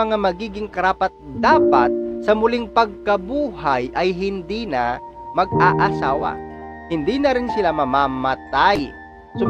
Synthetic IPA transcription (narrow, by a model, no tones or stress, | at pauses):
ɐŋamɐɡiːɡɪŋkɐɾaːpɐt̪̚d̪aːpat̪̚sɐmʊlɪŋpɐɡ̚kɐbuːhajʔɐjɦɪnd̪iːnɐmɐɡ̚ʔaʔɐsaːwɐ̰ | hɪnd̪iːnɐɾɪnsɪlamɐmamɐt̪aj | sʊ